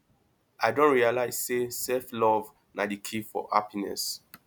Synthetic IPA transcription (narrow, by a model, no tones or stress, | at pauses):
ʔadõnɹialaɪz̥sesɛflɔv | nadikʰifɔ̰ha̰pinɛ̰s